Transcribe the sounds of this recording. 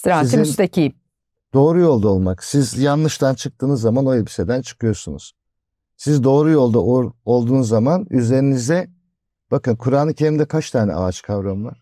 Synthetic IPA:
st̪ɾaizimnst̪acʰijm | d̪̥o̞ːɾujo̞lˠd̪aolˠmaksizjanlːˠɯʃt̪ʰant͡ʃʰɯk̚t̪ʰɯːnɯzːamano̞jlʲabi̥se̞d̪ænt͡ʃʰɯ̥kʰɯjo̞ɾsunṵz̥ | sizd̪o̞ːɾujo̞lˠd̪ao̞lˠd̪uːnuzːamanyze̞ɾinizd̪ɛ | b̥akɯnkʰuɾaːnɯcʰeɾimd̪ɛkʰaʃt̪ʰaːnʲɛ̰ʔa̰at͡ʃkʰavɾamnˠa

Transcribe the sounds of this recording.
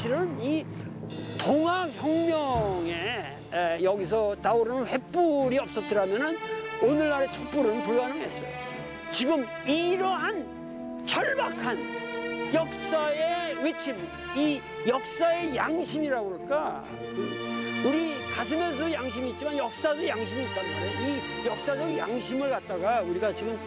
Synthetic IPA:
iɾɯni | toŋaçjʌŋmjʌŋe̞ | jʌɡis̬ʰʌtaoɾanɯnɸwe̞p͈uɾiʌp̚s͈ʌt̚t͈ɯɾamjʌnɯnonɯɭːaɾe̞t͡ɕʰop͈uɾɯnpuɭɡanɯŋɦe̞s͈ʌ | t͡ɕiɡɯm | iɾʌɦan | t͡ɕʰʌɭbakʰanjʌk̚s͈ae̞wet͡ɕʰim | i | jʌk̚s͈ae̞jaŋɕʰimiɾaɡoɭk͈a | kɯuɾikas̬ʰɯmes̬ojaŋɕ̬ʰimiːt̚t͡ɕimanjʌk̚s͈asojaŋɕ̬ʰimiːt̚k͈anɯaɾoi | jʌk̚s͈ad͡ʑʌja̰ŋɕʰimɯɭkat̚t͈aɡauɾiɡat͡ɕiɡɯm

